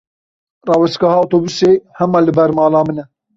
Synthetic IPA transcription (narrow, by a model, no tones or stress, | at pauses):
rɑːwɛst̪kɑhɑːot̪oːbusehɛmɑːlɨbɛɾmɑːlɑːmɨnɛ